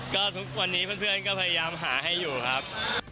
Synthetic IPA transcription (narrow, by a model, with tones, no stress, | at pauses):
kɔː˥˩t̪ʰu˦˥k̚wa˧nːiː˦˥pʰɯː˥˩npʰɯ˥˩ənkɔː˥˩pʰa˧ja˧jaː˧mɦaː˩˦ɦa˥˩jːuː˨˩kʰɾa˦˥p̚